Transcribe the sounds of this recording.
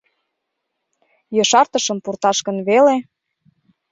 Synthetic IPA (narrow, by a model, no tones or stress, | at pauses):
jɤʃɑrt̪ə̆ʃə̆mpurt̪ɑʃkə̆nβele